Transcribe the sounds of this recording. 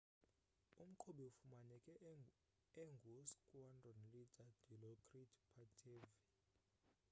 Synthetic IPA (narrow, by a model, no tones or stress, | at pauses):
um̩ǃʰoɓiufumanɛkʼɛ | ɛŋɡʱuskʼwandʱɔnlidʱad̥ʱilɔkʰʼritʰʼpʰatʰevi